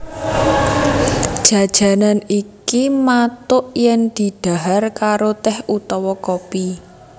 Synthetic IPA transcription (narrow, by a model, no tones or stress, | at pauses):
d̥ʒ̥a̤d̥ʒ̥a̤nanikimat̪ʊʔjɛŋd̪̥i̤d̪̥a̤ɦarkaɾot̪ɛhut̪ɔwɔkopi